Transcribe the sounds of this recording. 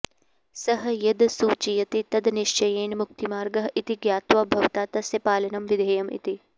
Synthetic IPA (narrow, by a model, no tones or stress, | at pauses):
sɐɦɐjɐd̪suːt͡ʃijɐt̪it̪ɐd̪niʃt͡ʃɐjeːnmuk̚t̪imaːɾɡɐɦit̪iɡjaːt̪ʋabʱɐʋt̪aːt̪ɐsjɐpaːlɐnɐmʋid̪ʱeːjɐmḭt̪i